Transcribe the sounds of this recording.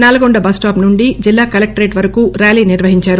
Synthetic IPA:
naːlɐɡoɳɖɐbɐsʈaːpnuɳɖid͡ʒilːaːkɐlɐk̚ʈɾeːʈʋɐɾɐkuːɾaːliːniɾʋɐɦiɲt͡ʃaːɾu

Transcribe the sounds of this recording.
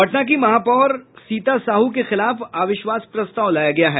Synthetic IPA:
bɐʈnak̬imɐɦaːpɔːɾsiːt̪asaːɦuk̬exɪlaːfaːʋɪʃʋaːspɾɐst̪aːʋlaːjaɡɐjaɦɛː

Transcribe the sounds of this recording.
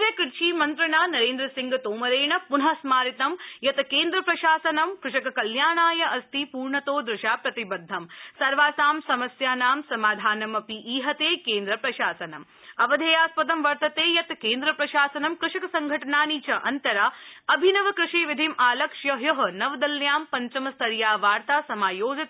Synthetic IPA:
ʋjɐkiɾt͡ʃiːmɐnt̪ɾɐɳaːnɐɾeːnd̪ɾɐsiŋɡɐt̪oːmɐɾeːɳɐpunɦɐsmaːɾit̪ɐmjɐt̪keːnd̪ɾɐpɾɐʃaːsɐnɐmkɾɪʂɐkɐkɐljaːɳaːjɐʔɐst̪ʰipuːɾɳɐt̪oːd̪ɾɪʃaːpɾɐt̪ibɐd̪ʱːɐmsɐɾʋaːsaːmsɐmɐsjaːnaːmsɐmaːd̪ʱaːnɐmɐpiʔiːɦɐt̪eːkeːnd̪ɾɐpɾɐʃaːsɐnɐm | ɐʋɐd̪ʱɐjaːspɐt̪ɐmʋɐɾt̪ɐt̪eːjɐt̪keːnd̪ɾɐpɾɐʃaːsɐnɐmkɾɪʂɐkɐsɐŋɡʱɐʈɐɳaːniːt͡ʃɐʔɐnt̪ɐɾaɐbʱinɐʋɐkɾɪʂiːʋid̪ʱimʔaːlɐkʂjɐjɐɦɐ̆nɐʋd̪ɐljaːmpɐɲt͡ʃɐmɐst̪ʰɐɾjaːʋaːɾt̪aːsɐmaːjoːd͡ʒɐt̪

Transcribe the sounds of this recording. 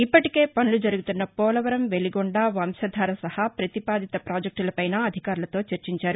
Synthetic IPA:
ipːɐʈike̞ːpɐnulud͡ʒɐɾuɡut̪unːɐpɔːlɐʋɐɾɐmʋe̞liɡɔɳɖaːʋɐmsɐd̪ʱaːɾɐsɐhɐpɾɐt̪ipaːd̪it̪ɐpɾaːd͡ʒɐk̚ʈulɐpɐjnaːɐd̪ʱikaːɾulɐt̪o̞ːt͡ʃɐɾt͡ʃiɲt͡ʃaːɾu

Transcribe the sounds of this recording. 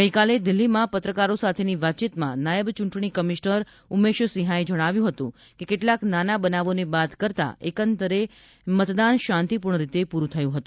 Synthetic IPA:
ɡəjkaled̪ilːimãpət̪ɾəkaɾosat̪ʰeniʋat̪ːt͡ʃit̪mã̰najəbt͡ʃuɳʈɳikəmiʃnəɾ | umːeʃəsiɦaed͡ʒəɽ̃aʋjũɦət̪ṵ̃ | kekeʈlaknanabənaʋonebat̪kəɾt̪a̰ekənt̪əɾe | mət̪d̪anʃãnt̪ipuɾɳ̃əɾit̪epuɾũt̪ʰəjũɦət̪ũ

